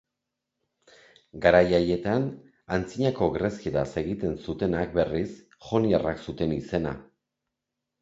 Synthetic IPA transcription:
ɡaɾajaje̞t̪an | ant͡siɲako̞ɣɾeskeðase̞ɣit̪e̞nsut̪e̞nak̚be̞ris | ʝo̞niaraksut̪e̞nise̞na̰

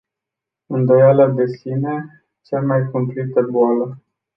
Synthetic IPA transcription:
ɨnd̪o̞jaləd̪e̞sine̞ | t͡ʃamajkumplit̪əboalə

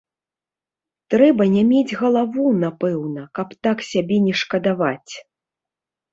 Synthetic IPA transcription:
t̪ɾɛbɐnʲɛmʲed͡zʲɣɐlˠavunapɛwnɐkɐpt̪aksʲabʲɛnʲɛʂkɐd̪avat͡sʲ

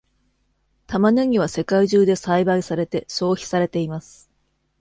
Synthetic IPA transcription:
t̪amanɯŋ̟iβ̞ase̞kaiʑɨːd̪e̞saibaisaɾe̞t̪e̞so̞ːçi̥saɾe̞t̪e̞imasɨ̥

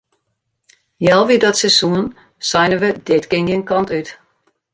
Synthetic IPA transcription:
jɛlˠʋidɔtsɛsuən | sajnəʋədɪtɡɪnjənkɔntyt

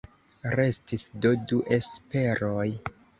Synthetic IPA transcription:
ɾe̞stisdoduʔe̞spe̞ɾoj

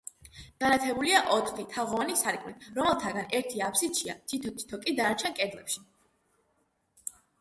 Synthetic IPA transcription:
ɡ̥anat̪ʰɛbuliaʔɔt̪ʰχit̪ʰaʁɔvanisaɾikʼmit̪ɾɔmɛlˠt̪ʰaɡanɛɾt̪ʰiapsit͡ʃʰia̰t̪ʰit̪ʰɔt̪ʰi̥t̪ʰɔkʼid̪aːɾt͡ʃʰɛnkʼɛd̪lˠɛpʃi

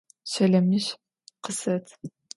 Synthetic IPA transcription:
ɕɐɮɐmɨɕ | qʰəsɐtʰ

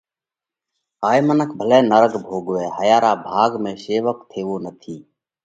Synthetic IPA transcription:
ɦaːimənək̚ʰbʱəlɛːnəɾəɡbʱoːɡʋɛːɦəjaːɾaːbʱaːɡmẽːseːʋək̚t̪ʰeːʋoːnət̪ʰiː

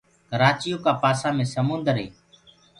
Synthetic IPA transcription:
kəɾaːt͡ʃɪjoːkaːpaːsãːmẽːsəmʊnd̪əɾɦḛː

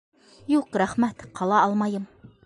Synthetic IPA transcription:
juqɾæχmæt̪qʰɑlˠɑɑlˠmɑjɤm

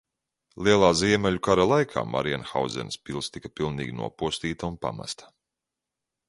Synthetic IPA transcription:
lˠiɛlˠaːziɛmʲɛlʲukaɾalˠajkʰa̰ːma̰ɾianxa̰w̪zɛ̰nspʲilˠst̪ikḁpilˠnḭːɡʲinṵɔpuɔst̪iːt̪aunpa̰ma̰st̪ḁ

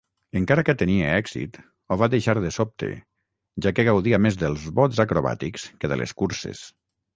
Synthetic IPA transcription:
eŋkaɾakət̪enieɛɡz̥ḭt̪ | oβaðeʃaɾðəsop̚t̪ḛ | ʒakeɣ̞awðiamezðəlˠzβɔzakɾoβa̰t̪ikskeðəlḛskuɾsḛs

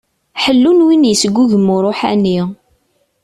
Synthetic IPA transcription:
ħəlːunwinjəsɡʷːuʝəmʊɾˤoħæ̰ni

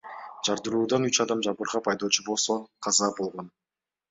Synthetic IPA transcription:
d͡ʒɑɾd̪ɯɾuːd̪ɑnyt͡ʃɑd̪ɑmd͡ʒɑbɯɾʁɑpʰɑjd̪o̞ːt͡ʃʰubo̞lˠso̞qʰɑzɑbo̞lˠʁo̞n

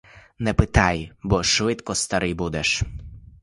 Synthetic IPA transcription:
nɛpɪt̪ajbɔʃʋɪt̪kɔst̪ɐɾɪjbud̪ɛʃ

